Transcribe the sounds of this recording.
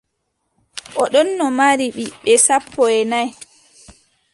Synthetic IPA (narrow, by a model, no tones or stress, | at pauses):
ʔɔɗɔnːɔmaɾiɓiɓɛsapʰːɔɛnaj